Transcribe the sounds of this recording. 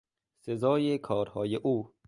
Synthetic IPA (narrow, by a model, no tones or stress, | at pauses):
sezɒːjekʰɒːɾhɒːjeʔuː